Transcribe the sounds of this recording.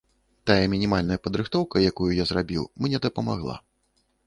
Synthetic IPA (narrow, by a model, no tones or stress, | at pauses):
t̪ajɐmʲinʲimalʲnɐjɐpɐd̪ɾɨxt̪ɔwkɐjakujujazɾabʲiwmnʲɛd̪ɐpɐmaɣlˠa̰